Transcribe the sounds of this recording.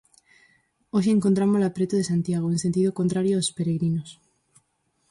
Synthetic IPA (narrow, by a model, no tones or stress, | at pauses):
oʃ̬eːŋkont̪ɾamolapɾet̪oðesant̪jaɣ̞oense̞nt̪̬iðoko̞nt̪ɾaɾjoaospeɾeɣɾinos